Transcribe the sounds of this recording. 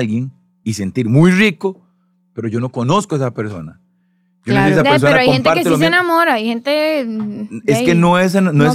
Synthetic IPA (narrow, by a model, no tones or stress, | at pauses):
lɡjeŋ | ise̞nt̪iɾmujriko | pe̞ɾoʝo̞no̞konoskoesapeɾso̰na̰ | ɟ͡ʝonosiesapeɾsoenaɾoahoemnp̪t̪eaɾkeelomeenamoɾaajhent̪e | eskenoes̬ennoes